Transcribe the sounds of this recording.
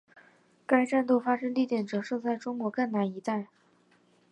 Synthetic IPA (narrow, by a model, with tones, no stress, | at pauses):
ka˥ɪʈ͡ʂa˥˧nt̪o˥˩fa˥ʂɤ˥ŋt̪i˥˩t̪jɛ˨˩nʈ͡ʂɤ˨˩ʂɤ˥˧t͡sa˥˩ɪʈ͡ʂʊ˥ŋkwɔ˧˥kɤ˥˩ŋna˧˥ni˧˥t̪a˥˩ɪ